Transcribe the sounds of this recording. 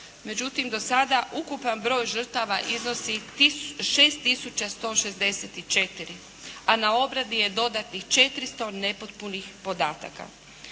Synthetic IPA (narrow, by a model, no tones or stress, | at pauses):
me̞d͡ʑut̪imd̪o̞sad̪aʔukupanbɾo̞ːjʒr̩t̪aʋaʔizno̞si | ʃeːst̪ːisut͡ʃast̪o̞ːʃe̞zd̪e̞set̪it͡ʃe̞t̪iɾi | anao̞bɾad̪ije̞d̪o̞d̪at̪nixt͡ʃe̞t̪ɾist̪o̞ne̞po̞t̪̚punixpo̞d̪aːt̪a̰ka̰